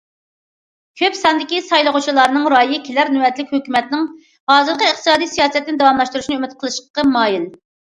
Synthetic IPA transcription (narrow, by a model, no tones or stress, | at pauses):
kʲʰøpsɑnd̪ɪkʲisɑjlˠəʁut͡ʃʰilˠɑɾnɨŋɾɑːjikʲʰelæɾnywɛt̪lɪkʲhøkʲymɛt̪nɪŋ | hɑːzɨɾqʰəəχt̪ʰɨsɑːd̪ijsijɑːsɛt̪ːɪnd̪ɑwɑmlˠɑʃt̪uɾuʃnɨømyt̪qʰəlˠɨʃqʰə̥qəmɑːjil